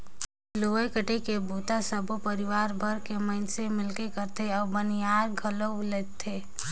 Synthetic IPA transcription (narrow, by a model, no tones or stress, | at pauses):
loːekəʈekebʱuːt̪asəbʱopəɾɪʋaːɾbʱəɾkemə̃ɪnsemɪlkekəɾt̪eɔːbəniaːɾɡʱələ | let̪ʰeː